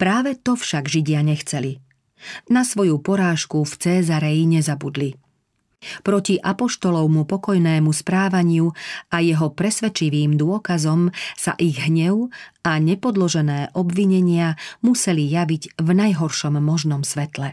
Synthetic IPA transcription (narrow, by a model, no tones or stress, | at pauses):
pɾaːʋɛt̪ɔfʃaɡʒiɟɪaɲɛxt͡sɛli | nasʋɔjupɔɾaːʃkuft͡sɛːzaɾɛjiɲɛzabud̪li | pɾɔciʔapɔʃt̪ɔlɔʊmupɔkɔjnɛːmuspɾaːʋaɲɪuajɛɦɔpɾɛsʋɛt͡ʃiʋiːmd̪ʊɔkazɔmsa̰ʔiɣɦɲɛʊaɲɛpɔd̪lɔʒɛnɛːʔɔbʋiɲɛɲɪamusɛlijaʋiɟvnajɦɔɾʃɔmːɔʒnɔmsʋɛt̪lɛ